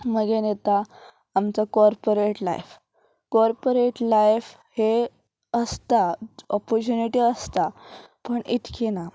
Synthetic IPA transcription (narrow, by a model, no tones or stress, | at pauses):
məɡenet̪aː | mt͡sakɔɾpoɾeʈla̰jf | kɔɾpoɾeʈlajf | he | əst̪aɔpɔɾt͡ɕuniʈiəst̪apəɳit̪kʰina